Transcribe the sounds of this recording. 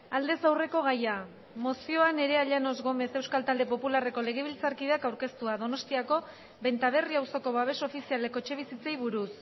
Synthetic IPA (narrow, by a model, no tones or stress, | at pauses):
ald̪e̞sawre̞ko̞ɣ̞aja | mo̞sio̞ane̞ɾe̞aʎano̞zɣo̞me̞se̞wskalt̪ald̪e̞po̞pulare̞ko̞le̞ɣ̞e̞β̞ilt͡saɾkiðakawɾke̞st̪uaðo̞no̞st̪iako̞ | βe̞nt̪aβ̞e̞riawso̞ko̞βaβ̞e̞so̞fisiale̞ko̞t͡ʃe̞β̞isit͡se̞jβuɾus